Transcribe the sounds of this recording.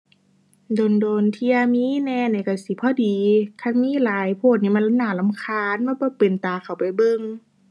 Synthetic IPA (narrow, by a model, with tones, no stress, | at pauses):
do˨ndoː˨˩nt̪ʰiː˧ʔa˧miː˧˥˨nɛː˧˥˨naː˧˩ka˧˩si˧˦pʰɔː˧˨diː˨kʰa˧˥˨nmiː˧˥˨laː˨˦jpʰoː˧˩t̪̚niː˧˩ma˧˥˨la˧˨naː˧˩la˧˨mkʰaː˧˨nma˧˥˨bɔː˧˦pe˨nt̪aː˨˩kʰa˧˩wpa˨˩jbɤ˧˨ŋ